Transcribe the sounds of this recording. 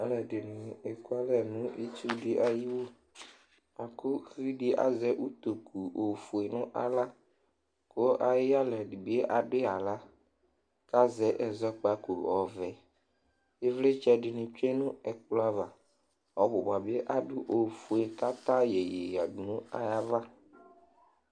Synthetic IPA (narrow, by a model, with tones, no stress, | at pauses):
ɛ˦lɛ˨dɪ˨nɪ̃˨ɛ˨ku˦a˦lɛ˨nʊ̃˦ʔi˦t͡ʃu˦dɪ˦ʔa˦ji˦wo˦ | a˨kʊ˦ɣɾi˦dɪ˦ʔa̰˨zɛ˦ʔu˦t̪o˨kʰu˨o˨fu˨e˨nʊ̃˦ʔa˦la˦ | ko˦ʔa˨jɪ˦a˦lɛ˨di˨bi˨˦e˦ʔa˨ɖɪ˦a˨la˦ | ka˦zɛ˨˦ʔɛ˨zɔ˦k͡pa˦ko˨ɔ˨vɛ˨ | e˦vle˦t͡ʃɛ˦ɖɪ˨nɪ̃˨t͡ʃe˦nʊ̃˦ɛ˨k͡pla˦va˨ | ɔ˨bʊ˨ba˨be˦ʔa˦ɖʊ˦ʔo˨fu˨e˨ka˦t̪ã˦jɛ˨je˨ja˨du˨nʊ̃˦a̰˦ja˦va˦